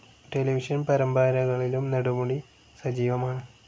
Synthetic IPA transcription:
ʈeliʋiʂɐnpɐɾɐmbaːɾɐɣɐɭilumnɐɽumuɽi | sɐd͡ʑiːʋɐmaːɳɨ

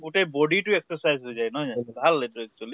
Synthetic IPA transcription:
ɡutejbɔɖitʊɛksɔsajzɦojzajnɔabʱaletʊɛk̚t͡ʃuali

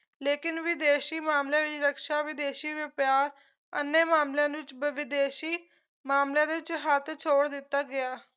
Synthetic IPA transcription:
leːkɪnʋɪd̪eːʃiːmaːmlẽːʋɪt͡ʃɾəkʃaːʋɪd̪eːʃiːʋɪpjaːɾ | ənːeːmaːmljãːd̪ʋɪt͡ʃbʋɪd̪eːʃiː | maːmljãːd̪eːʋɪt͡ʃɦət̪ʰt͡ʃʰoːɽd̪ɪt̪ːaːɡɪaː

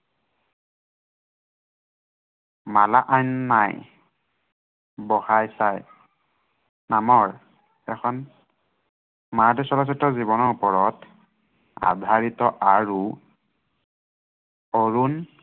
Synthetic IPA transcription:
malaʔajnːaj | bɔhajsaj | namɔɹ | ɛkʰɔn | madɛsɔlasitɔziβɔnɔɹupɔɹɔt | a̰dʱaɹitɔʔaɹu | oɹun

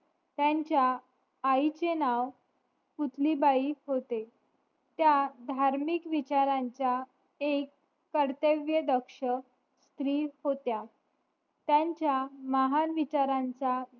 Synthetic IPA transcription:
t̪jaɲt͡ɕjaː | it͡ɕenaʋ | put̪ʰlibaiːhot̪e | t̪jad̪ʱaɾmikʋit͡ɕaɾaɲt͡ɕja | ekː | əɾt̪eʋjəd̪əkʂə | st̪ɾiːhot̪ja | t̪jãɲt͡ɕjaməɦanʋit͡ɕaɾãɲt͡sa

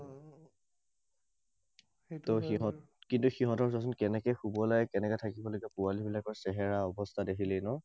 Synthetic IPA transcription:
tɔxiɦɔ | kintuxiɦɔtɔɹzɔsɔnkɛnɛkɛxubɔlajɛkɛnɛkɛtʰakibɔlokɛpualibilakɔɹsɛɦɛɹaɔbɔstʰadekʰilɛnɔ

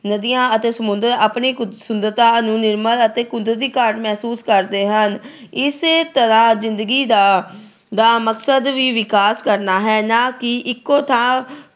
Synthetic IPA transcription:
nəd̪ijãːət̪eːsəmʊ̃nd̪əɾaːpɳiːsʊnd̪əɾt̪ãːnũːnɪɾmələt̪eːkʊnd̪əɾd̪iːkaːɾʈmɛːsuːskəɾd̪eːɦən | ɪst̪əɾãːzɪnd̪əɡiːd̪aː | d̪aːməksəd̪ʋiːʋɪkaːskəɾnaːɦɛːnãːkɪʔɪkːoːt̪ʰãː

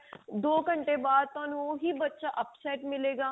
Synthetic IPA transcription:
d̪oːkə̃ɳʈebaːd̪̚t̪anõɦibɐtːʃaʔɐpsɛːʈmɪleːɡaː

